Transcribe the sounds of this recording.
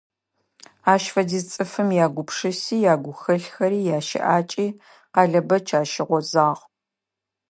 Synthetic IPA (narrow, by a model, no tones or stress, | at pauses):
aːʃfɐdiːt͡sʼɨfɨmjaːɡʷʊpʰʂɨsiːjaːɡʷʊxɐɬxɐɾiːjaːʃɪ̰ʔaːt͡ʃʼiː | qɑɮɐbɐt͡ʃʰaːʃɪʁʷɔzaːʁ